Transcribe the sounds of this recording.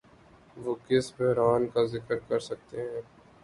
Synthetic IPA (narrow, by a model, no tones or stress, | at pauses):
ʋoːkɪsbɛɦɾaːnkazɪkəɾkɐɾsɐk̚t̪eɦɛ̃ː